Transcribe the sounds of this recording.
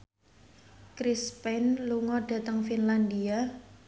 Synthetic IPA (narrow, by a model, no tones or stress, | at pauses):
kɾispɛnluŋɔɖ̥a̤t̪əŋfinland̪ia